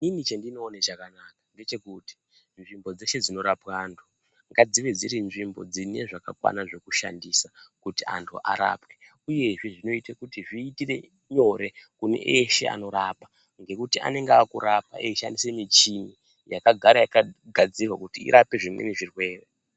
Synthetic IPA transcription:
ninit͡ʃendino̞ːnet͡ʃakanakḁŋɡe̞t͡ʃe̞kuti̥ | nʐimbo̞d͡ze̞ʃe̞d͡zino̞ɾapwaːntʰu̥ | ŋɡad͡ziʋed͡ziɾinʐimbo̞d͡zine̞ʐaka̰kwa̰naʐe̞kuʃa̰ndisakutia̰ntʰuʔa̰ɾa̰ːpwe | uje̞ʐe̞ʐino̞itakutiʐiːtire̞ | ɲo̞ɾe̞kune̞̰ʔeʃe̞̰a̰no̞ɾapa | ŋɡe̞kutiʔa̰ne̞ŋɡeaːkuɾapa̰ʔeʃa̰ndisemit͡ʃini | jakaɡʱaɾajakaɡʱad͡zirwakutiḭɾʔape̞ʐimwḛniʐirwe̞ːre

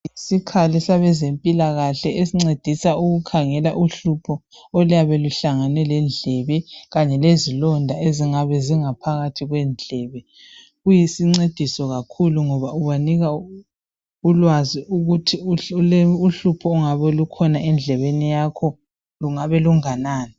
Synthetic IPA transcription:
isikʰalisaβɛzempʼilaɣaɬɛesiŋ͡ǀed̥ʱisauɣukʰaŋɛlaʔuɬupʰɔ | ɔljaβɛluɬaŋanɛlɛnd͡ɮʱɛβɛɣaɲɛlezilɔndʱaeziŋaβɛziŋapʰaɣatʰiɣwɛnd͡ɮʱɛːβɛ | ɣujisiŋ͡ǀed̥ʱisɔɣakʰuluŋɔβauβaniɣa | ulwaziuɣutʰi | uɬupʰɔuŋaβɛlukʰɔnaɛnd͡ɮʱɛβenijakʰɔ | luŋaβɛluŋanaːni

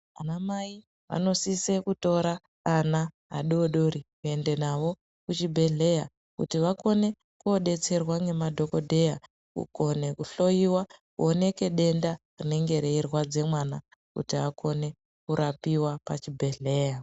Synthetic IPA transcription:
anamai | ʋa̰no̞sise̞kuto̞ɾaː | na | ɦa̰ɗoɗo̞ɾikue̞nde̞naʋo̞ | kut͡ʃibʱe̞ɮe̞ja | kutiʋako̞ne̞ | kuoɗe̞t͡se̞rwaŋe̞madʱo̞ko̞dʱe̞ja | kṵko̞ne̞kuɬo̞jiwakuone̞ke̞ɗe̞nda | rine̞ŋɡe̞ɾeirwad͡ze̞mwana | kṵtiako̞ne̞ | kuɾapiwapa̰t͡ʃibʱe̞ɮe̞ːja

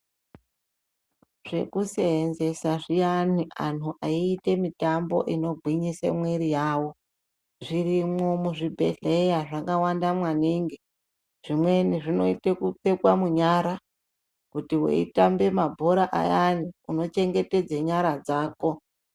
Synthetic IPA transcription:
ʐ̥e̞̰kuseɦenze̞saʐijaniʔan̤uʔaiːte̞mitambo̞̰ʔino̞ɡʱwiɲisḛmweɾijaːwo̞ | ʐirimo̞muʐibʱe̞̰ɮe̞jaʐaŋɡawandamwaniːŋɡi | ʐ̥imwe̞niʐino̞ite̞kup͡fe̞kwamuɲaɾa | kutiwḛḭtambe̞mabʱo̞ɾaʔa̰janiuno̞t͡ʃe̞ŋɡe̞te̞d͡zeɲaɾad͡zaːko̞

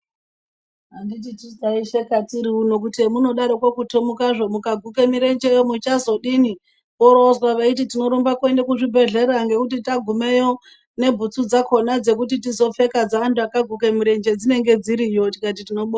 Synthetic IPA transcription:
ɦandititisaiʃekatiɾiuno̞k̬utiemuno̞ɗaɾokwokutomukaʐo̞mukaɡʱuke̞miɾe̞nd͡ʒejomut͡ʃazo̞ɗini | oɾozwaʋait̬itino̞ɾumbakuendekuʐibʱe̞ɮe̞ɾaŋɡe̞kutitaɡʱume̞jo̞ | ne̞bʱut͡sud͡zakʰo̞nad͡ze̞k̬utitizo̞fe̞kad͡zaantuakaɡʱukemuɾe̞nd͡ʒe̞d͡zine̞ŋɡe̞d͡ziɾijo̞tikat̬itino̞ɓoa

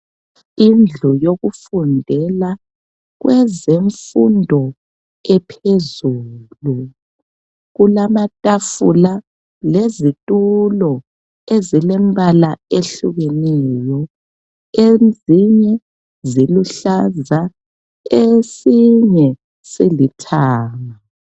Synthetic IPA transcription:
ind͡ɮʱujoɣufundʱɛla | ɣwɛzeɱfundʱɔ | ɛpʰezuːlu | ɣulamatʼafula | lezitʼulɔ | ezilɛmbʱalaeɬuɣɛnɛjɔ | eziɲɛ | ziluɬaza | esiɲɛ | silitʰaːŋa

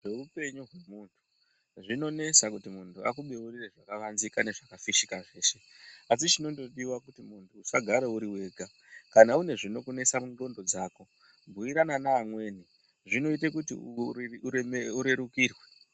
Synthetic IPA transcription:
ʐe̞upe̞ɲuɦwe̞muːntʰu̥ | ʐino̞ne̞sakutimuntua̰kuɓe̞urireʐakaʋanzikane̞ʐakafiʃikaʐe̞ːse̞ | as̬it͡ʃino̞ndo̞ɗiwakutimuntʰuːsaɡʱaɾeuɾiwe̞ːɡʱa | kanaune̞ʐino̞kune̞samundo̞ndo̞d͡zaːko̞ | bʱuiɾananaːmwe̞ːni | ʐino̞itekutiuuɾemeuɾe̞ɾukiːrwe

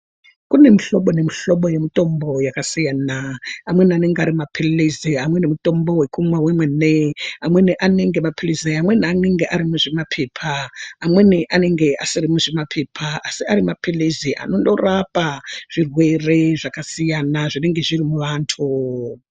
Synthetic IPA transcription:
kune̞miɬo̞ɓo̞nemiɬo̞ɓo̞je̞mito̞mbo̞jakasijaːnaːmwe̞niane̞ŋɡeaɾimapʰeleziamwe̞nemuto̞mbo̞we̞kumwawemweneamweniʔane̞ŋɡe̞mapʰileziamwe̞niane̞ŋɡeʔaɾimuʐemapʰeːpʰaːmwe̞niʔane̞ŋɡe̞ʔasirimuʐemapʰe̞pʰaasiaɾimapileziʔa̰nondorapaʐ̥irwe̞re̞ʐakasijanaʐine̞ŋɡe̞ʐirimuʋaːntʰu

